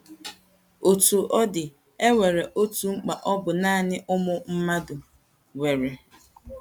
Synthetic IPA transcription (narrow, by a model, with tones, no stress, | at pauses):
o˨tu˨ʔɔ˦dɪ˨ | e˦we˨ɾe˨ʔo˦tu˨ŋ͡m̩˦k͡pa˨ʔɔ˦bʊ˨naː˦˨nɪ˦ʔʊ˦mʊ˦m̩˦ma˦dʊ˨ | we˨ɾe˨